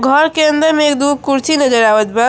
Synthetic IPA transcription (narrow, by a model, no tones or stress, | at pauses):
ɡʱəɾkeənd̪əɾmeek̚d̪ukuɾt͡ʃʰinəd͡ʒəɾawət̪bə